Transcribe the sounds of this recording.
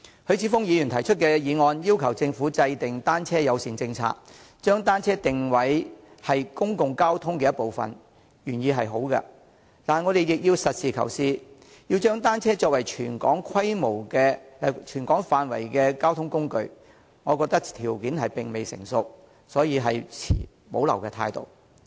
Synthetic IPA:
hʰɵ˨˧ɥt͡sʰiː˨˥fʊ˥ŋjiː˨˧jy˨˩nt̪ʰɐ˨˩jt͡ʃʰɵ˥t̚kɛː˧jiː˨˧ŋɔː˧njiː˥wkʰɐ˨˩wt͡sɪ˧ŋfuː˨˥t͡sɐ˧jt̪ɪ˨ŋt̪aː˥nt͡sʰɛː˥jɐ˨˧wsiː˨˩nt͡sɪ˧ŋt͡sʰa̰ː˧˥k̚ | t͡ʃœː˥ŋt̪aː˥nt͡sʰɛː˥t̪ɪ˨ŋwɐ˨˥j | hɐ˨jkʊ˥ŋkʊ˨ŋkaː˥wt̪ʰʊ˥ŋkɛː˧jɐ˥t̚po˨wfɐ̰˨n | jyː˨˩njiː˨˧ɦɐ˨jɦo˨˥wkɐ̰˧ | t̪aː˨nŋɔ˨˧ɾe˨jjɪ˨k̚jiː˧wsɐ˨t̚siː˨kʰɐ̰˨˩wsiː˨˧ | jiː˧wt͡ʃœː˥ŋt̪aː˥nt͡sʰɛː˥t͡sɔː˧k̚wɐ˨˩jt͡ʃʰyː˨˩nkɔ̰ː˨˥ŋkʰɐ˥jmo˨˩wkɛː˧˨˧t͡ʃʰyː˨˩nkɔː˨˥ŋfaː˨nwɐ̰˨˩jkɛː˧kaː˥wt̪ʰʊ˥ŋkʊ˥ŋkɵ̰˧ɥ | ŋɔː˨˧kɔː˧k̚t̪ɐ˥k̚t̪ʰiː˨˩wkiː˨˥nɦɐ˨jpɪ˨˩ŋme˨jsɪ̰˨˩ŋsʊ˨k̚ | sɔː˨˥jiː˧ɦɐ˨jt͡sʰḭː˨˩ | mo˨˥wlɐ̰˨˩wkɛː˧t̪ʰaː˧jt̪o̰˨˩w

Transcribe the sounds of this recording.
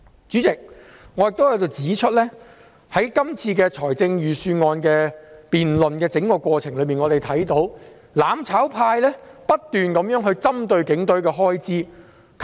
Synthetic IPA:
t͡syː˨˥t͡sɪ˨k̚ | ŋɔ˨˧jɪ˨k̚t̪o˥wjɐ˨˧˥t̪o˨wt͡siː˨˥t͡ʃʰɵ˥t̚lɛː˥ | hɐ˨˥jkɐ˥mt͡sʰiː˧kɛː˧t͡sʰɔː˨˩jt͡sɪ˧ŋjyː˨syː˧ŋɔː˧nkɛː˧piː˨nlɵ˨nkɛː˧t͡sɪ˨˥ŋkɔː˧kʷɔː˧t͡sʰɪ˨˩ŋlɵ˨˧˥miː˨˩ŋɔː˨˧ɾe˨˩jt̪ʰɐ˨˥jt̪o˨˥w | laː˨˧mt͡sʰaː˨˥wpʰaː˧jlɛː˥pɐ˥t̚t̪yː˨nkɐ˨˥mjœː˨˥ŋɦɵ˧ɥt͡sɐ˥mt̪ɵ˧ɥkɪ˨˥ŋt̪ɵ˨˥ɥkɛː˧ɦɔː˥jt͡siː˥ | kʰ

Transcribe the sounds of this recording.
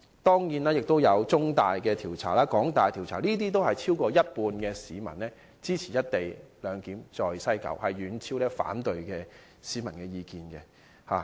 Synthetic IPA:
t̪ɔː˥ŋjiː˨˥naː˥jɪ˨k̚t̪o˥wjɐ˨˧wt͡sʊ˥ŋt̪aː˨jkɛː˧t̪ʰiː˨˩wt͡sʰa̰ː˨˩laː˥kɔː˨˥ŋt̪aː˨jt̪ʰiː˨˩wt͡sʰaː˨˩niː˥t̪̬iː˥t̪̬o˥whɐ˨jt͡sʰiː˥wkɔː˧jɐ˥t̚puː˧nkɛː˧siː˨˧mɐ˨˩nlɛː˥ | t͡siː˥t͡sʰiː˨˩jɐ˥t̚t̪e˨jlœː˨˧ŋkiː˨˥mt͡sɔː˨jsɐ˥jkɐ̰˨˥˩whɐ˨jɥyː˨˧nt͡sʰiː˥wlɛː˥fa̰ː˨˥nt̪ɵ˨ɥkɛː˧ | siː˨˥mɐ˨˩nkɛː˧jiː˧kiː˨nkɛ˧ | ha̰ː˨˩

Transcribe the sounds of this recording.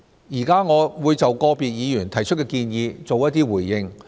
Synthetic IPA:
jiː˨˩kaː˥ŋɔː˨˧wuː˨˧jt͡sɐ˨wkɔː˧piː˨t̚jiː˨˧jyː˨˩nt̪ʰɐ˨˩jt͡ʃʰɵ˥t̚kɛ˧kiː˧njiː˨˧t͡so˨wjɐ˥t̚t̪iː˥wuː˨˩jːɪ˧ŋ

